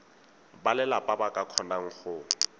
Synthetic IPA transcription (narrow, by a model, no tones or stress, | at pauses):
balɪlapʼabakʼakʰɔnaŋ̩χʊ